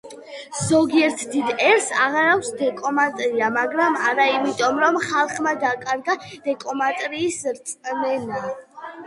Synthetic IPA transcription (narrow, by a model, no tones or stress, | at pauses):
zɔɡiɛɾt̪ʰd̪id̪ɛɾsa̰ʁaɾakʰsd̪ɛkʼɔmat̪ʼɾiamaɡɾamaɾaimit̪ʼɔmɾɔmχalˠχmad̪akʼaɾɡad̪̥ɛkʼɔmat̪ʼɾiːsɾt̪sʼmɛna